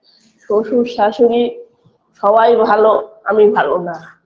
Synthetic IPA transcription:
ʃoʃuʃaʃoɾi | ʃɔbajbʱaloa̰mibʱalona

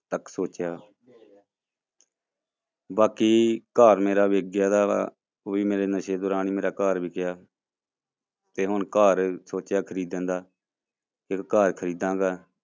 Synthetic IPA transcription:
t̪əksoːt͡ʃjaː | baːkiːkaːɾmeːɾaːʋeːɡjaːd̪aː | oːiːmeːɾeːnəʃeːd̪oːɾaːniːmeːɾaːkaːɾʋiːkɪjaː | t̪eːɦʊnkaːɾsoːt͡ʃjaːkʰəɾiːd̪nd̪aː | ɪkːaːɾkʰəɾiːd̪ãːɡaː

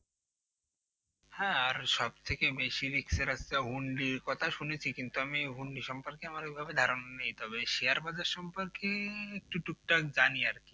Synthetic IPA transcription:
hɛ̃aɾʃɔbt̪ʰekebeʃiɾikseɾast̪aɦuɳɖiɾkɔt̪ʰaʃunet͡ɕʰikint̪uamiɦuɳɖiʃɔmpoɾkeamaɾebʱabed̪ʱaɾonanejt̪ɔbeʃiaɾbad͡ʑaɾʃɔmpoɾkeek̚ʈuʈuk̚ʈakd͡ʑaniaɾki̥

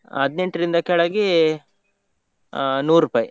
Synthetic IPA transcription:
ɐd̪neɳʈɾind̪ɐkɛɭɐɡi | nuːɾupaːji

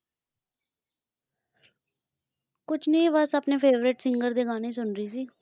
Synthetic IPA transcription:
kʊt͡ʃʰneĩːʋəsapneːpʰeːʋɾɪʈsɪŋɡəɾd̪eːɡaːneːsʊnɾiːsiː

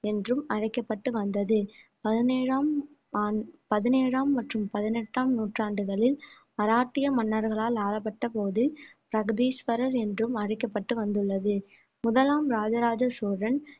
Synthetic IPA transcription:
ɛndrɯmɐɻɐɪkːɐpːɐʈːɯʋɐnd̪ɐðɯpɐðɪneːɻaːmː | pɐðɪneːɻaːmːɐʈrɯmpɐðɪnɛʈːaːmnuːʈraːɳɖɯɣɐɭɪl | mɐɾaːʈːɪjɐmɐnːɐɾɣɐɭaːlaːlɐp̬ːɐʈːɐpoːðɪlpɪɾɐɣɯðiːspɐɾɐɾɛndrɯmɐɻɐɪkːɐpːɐʈːɯʋɐnd̪ɯɭːɐðɯ | mʊðɐlaːmɾaːd͡ʒɐɾaːd͡ʒɐsoːɾɐn

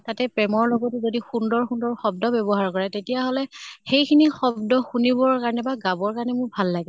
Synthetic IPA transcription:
tatɛpɹɛmɔɹlɔɡɔtɛzodixundɔɹxundɔɹxɔb̚dɔbɔbɔɦaɹkɔɹɛtetijaɦɔlɛxejkʰinixɔbdɔxunibɔkaɹɔnɛbaɡabɔɹkaɹɔnɛmʊɹbʱalːaɡɛ

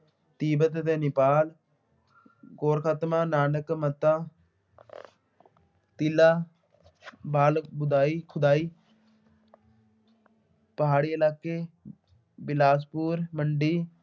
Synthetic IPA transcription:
t̪iːbət̪t̪eːnɪpaːl | ɡoːɾkʰaːt̪mãːnaːnəkmət̪ãː | t̪ilaː | baːlbʊd̪aːiːkʰʊd̪aːiː | pəɦaːɽiːəlaːkeː | bɪlaːspuːɾməɳɖiː

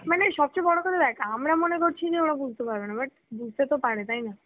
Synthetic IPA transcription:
maneʃɔb̚t͡ɕejbɔɽokaɾed̪ɛkʰaamɾamonekoɾt͡ɕʰid͡ʑeoɾabud͡ʑʱt̪epaɾbenabaʈ̚ | bud͡ʑʱt̪et̪opaɾet̪ajna

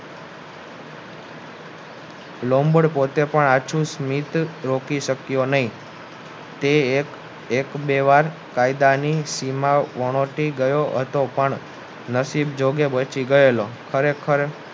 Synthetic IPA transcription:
lombəɽpot̪epəɳat͡ʃʰũsmit̪ɾokiʃəkjonəɦĩ | t̪e | ekbeʋaɾ | kaid̪anisimaʋəɽ̃oʈiɡəjoɦə̰t̪opəɳ | nəsibd͡ʒoɡebət͡ʃiɡəelokʰəɾekʰəɾe

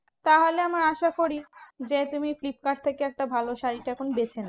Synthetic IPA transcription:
t̪aɦoleamaɾaʃakoɾid͡ʑet̪umiflip̚kaʈ̚t̪ʰekeɛk̚ʈabʱaloʃaɾiʈaɛkʰonobet͡ɕʰena

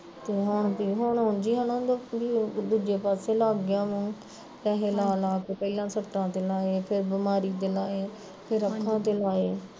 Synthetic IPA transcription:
t̪eːɦʊɳt̪iːɦʊɳɦʊɳd͡ʒiːɦənõːd̪biːd̪uːd͡ʒeːpaːseːlaːɡːjãːmũː | kɛːɦeːlaːlaːkeːpəilãːsəʈːãːt̪eːlaːeːpʰɪɾbɪmaːɾiːd̪eːlaːeː | pʰɪɾəkʰːãːt̪eːlaːeː

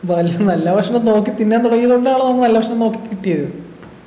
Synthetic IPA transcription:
poɐliɐmnɐlːapɐʂɐŋno̞ːkːit̪ːinːeaːnt̪uɽɐjːɐðuɳɖaːɭenomːɨnɐlːaːpɐʂɐmno̞ːkːi̥kʲːiʈːijɐðu

